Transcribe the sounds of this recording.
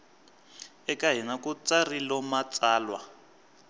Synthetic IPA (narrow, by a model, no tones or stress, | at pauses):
ɛkaɦɛnakut͡sarilɔmat͡sʼaːlwa